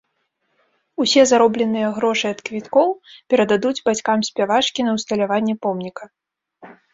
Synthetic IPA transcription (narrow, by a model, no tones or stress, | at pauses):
usʲɛzaɾɔblʲɛn̪ɨjɐɣɾɔʂɨɐt̪kvʲit̪kɔwpʲɛɾɐd̪ad̪ud͡zʲbat͡sʲkamsʲpʲavat͡ʂkʲinɐwst̪ɐlʲavanʲːɛpɔmnʲikɐ